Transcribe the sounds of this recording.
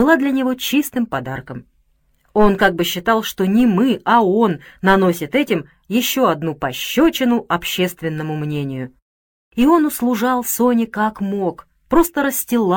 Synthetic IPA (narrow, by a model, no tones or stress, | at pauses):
ɨlˠad̪lʲɐnʲɪvo̞t͡ɕist̪ɨmpɐd̪arkəm | o̞nkaɡ̚bɨɕːɪt̪ɑlˠʂt̪o̞nʲɪmɨɐo̞nːɐno̞sʲɪt̪ɛtʲɪm | jɪɕːoɐd̪nupɐɕːot͡ɕɪnʊʔɐpɕːest̪vʲɪnːəmʊmnʲenʲɪjʊ | io̞nʊslˠʊʐɑlˠsonʲɪkakmo̞k | pɾo̞st̪əɾəsʲtʲɪlˠa